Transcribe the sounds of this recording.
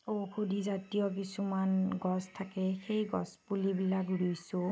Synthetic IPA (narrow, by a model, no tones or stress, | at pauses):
okʰudizatijɔkisumanɡɔstʰakɛxejɡɔ̰spulibilaɡɹujsʊ